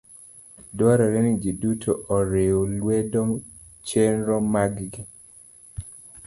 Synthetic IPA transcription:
dwaɾɔɾɛnid͡ʒidutʰoʔɔɾeolwedɔ | t͡ʃenɾɔmaɡɡi

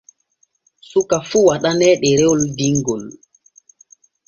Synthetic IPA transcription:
sukafuwaɗanɛɗɛɾɛɔldiŋɡɔl

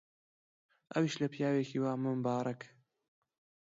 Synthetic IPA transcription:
ʔɐwiʃlɐpjaːwekʰiːwaːmɨmbaːɾˤɐk

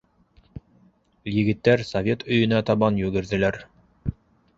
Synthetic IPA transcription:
jɘ̆ɡɘ̆t̪ːæɾsɐvʲe̞t̪ɵ̆jɵ̆næt̪ɑβɑnjʉɡɘ̆ɾðɘ̆læɾ

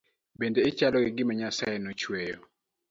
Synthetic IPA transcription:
bendeɪt͡ʃalɔɡɪɡɪmaɲasajɛnot͡ʃwejo

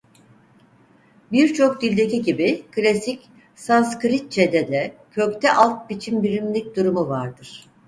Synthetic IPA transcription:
biɾt͡ʃʰo̞k̚d̪ilʲd̪e̞kciɟibikʰlʲasic | sanskɾit̪̚t͡ʃʰed̪ɛd̪ɛcʰøkt̪ʰɛʔalˠt̪̚bit͡ʃʰimbiɾimlʲic̚d̪uɾumuvaɾd̪ɯɾ̥

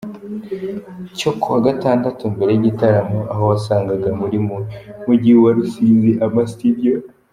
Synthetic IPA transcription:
cokuwaɡataːndatumbe̞ɾe̞jiɟitaɾamoʔaɦowasaːŋɡaɡamuɾimumuɟiwaɾusiːziʔamastidio

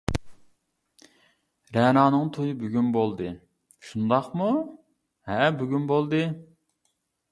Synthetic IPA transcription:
ɾɛnɑːnɨŋt̪ʰojɨbyɡʲynbolˠd̪ɨ | ʃund̪ɑqmu | hɛbyɡʲynbolˠd̪ɨ

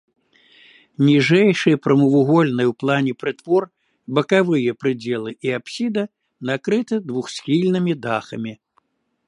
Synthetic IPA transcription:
nʲiʐɛjʂɨjɐpɾɐmɨvuɣɔlʲnɨjwplˠanʲɛpɾɨt̪vɔr | bɐkavɨjɐpɾɨd͡zʲɛlˠɨʔiapsʲid̪ɐ | nakɾɨt̪ɨd̪vuxsʲxʲilʲnɨmʲid̪axɐmʲi

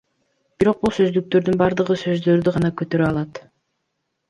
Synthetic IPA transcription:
b̥iɾo̞q̚bulˠsø̞zd̪yk̚t̪ø̞ɾd̪ynbɑɾd̪ɯʁɯsø̞zd̪ø̞ɾd̪yʁɑnɑkøt̪ø̞ɾøɑlˠɑt̪

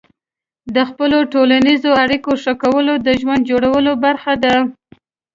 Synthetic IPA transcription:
d̪əxpəloʈolanizoaɽikoʂəkawəlod̪əʒwand̪̚d͡ʒoɽawəlobaɾxad̪a

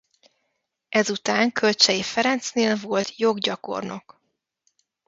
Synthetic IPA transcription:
ɛzut̪aːŋkʰø̞lt͡ʃɛjifɛɾɛnt̪sneːlvo̞lt̪jo̞ɡɟɒko̞̰rno̞̰k

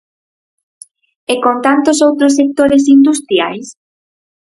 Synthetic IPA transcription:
ekont̪ant̪osowt̪ɾos̬ːek̚t̪oɾes̬ind̪ust̪ɾja̰js

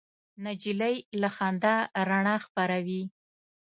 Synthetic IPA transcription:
nad͡ʒilajlaxɑnd̪aɾaɳaxpaɾawi

